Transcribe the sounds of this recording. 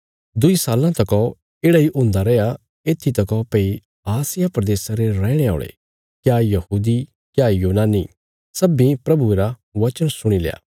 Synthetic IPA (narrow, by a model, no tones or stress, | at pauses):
d̪ʊisaːlãt̪ɐkɔ | eːɽaiʔʊ̃ːnd̪aɾɛja | eːt̪ʰːit̪ɐkɔpei | aːsɪjapɾɐd̪eːsaɾeɾɛːɽ̃eo̰ːɭḛ | kjajɐhuːd̪i | kjajuːnaːni | sɐbĩpɾɐbueːɾaʋɐt͡ʃənsʊɽ̃ilḛːa̰ː